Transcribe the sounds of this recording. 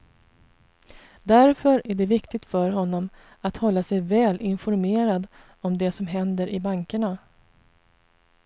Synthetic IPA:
d̪æɾfœɾæɖɛvɪkt̪ɪɡ̚t̪fœɾɦɔnːɔm | at̪hɔlːasɛjvɛːlʔɪnfɔɾmeːɾad̪ | ɔmd̪ɛsɔmɦɛnd̪əɾʔɪbaŋkəɳa

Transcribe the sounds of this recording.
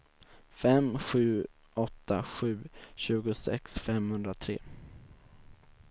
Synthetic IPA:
fɛmɧʉ̟ː | ʔɔt̪ʰːaɧʉ̟ːɕʉ̟ːɡʊsɛ̰ksfɛmhɵnd̪ɾat̪ʰɾeː

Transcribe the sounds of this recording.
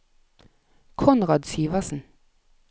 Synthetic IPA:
kʰɔnʁɑːd̪siːʋɑsn̩

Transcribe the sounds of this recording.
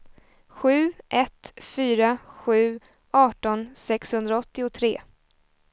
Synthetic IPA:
ɧʉ̟ːʔɛt̪fyːɾaɧʉ̟ː | ʔɑːʈɔnsɛkshɵnd̪ɾaɔt̪ːɪʊt̪ʰɾḛː

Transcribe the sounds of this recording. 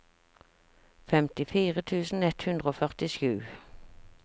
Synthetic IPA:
fɛmt̪ɪfiːʁət̪ʰʉːsn̩ɛt̪hʉnd̪ʁəoːfœʁt̪ɪʃʉː

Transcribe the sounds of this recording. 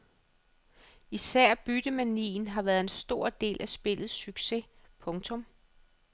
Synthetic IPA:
isæɐ̰b̥yd̥əmænḭːn̩ɦɑ̈ʋæːɐð̩ˠe̝nsd̥o̝ɐ̰d̥e̝̰ːlʔæsb̥e̝lð̞̩ˠsyɡ̥se̝ | pʰɔ̽ŋt͡sʰɔ̽m

